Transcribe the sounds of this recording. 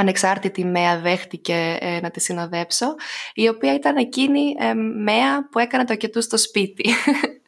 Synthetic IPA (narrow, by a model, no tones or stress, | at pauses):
ɐne̞ksɐɾt̪it̪ime̞ɐðe̞xt̪ice̞nɐt̪isino̞ðe̞pso̞io̞piɐit̪ɐne̞cinimeɐpue̞kɐnet̪ocet̪ust̪o̞spit̪i